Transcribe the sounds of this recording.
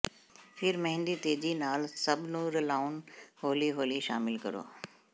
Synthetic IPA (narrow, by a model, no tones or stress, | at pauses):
fʰɪɾmɐ̃ɦɪ̃nd̪it̪eːd͡ʑinaːlsɐbʱnũːɾlaːunɦoːliɦoːliʃa̰ːmɪlkɐ̰ɾo̰ː